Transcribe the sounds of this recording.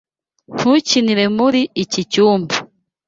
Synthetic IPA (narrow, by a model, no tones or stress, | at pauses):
n̥huciniɾe̞muɾiicicuːmbu